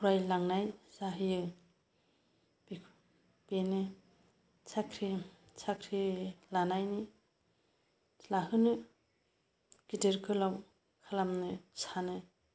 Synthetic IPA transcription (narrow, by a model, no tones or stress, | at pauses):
huɾajlaŋnajzaɦɯjɯ | bikʰ | b̥enɯ | sakʰɾi | sakʰɾilanajni | laɦɯnɯ | ɡ̥ideɾkʰɯlaw | kʰalamnɯsanɯ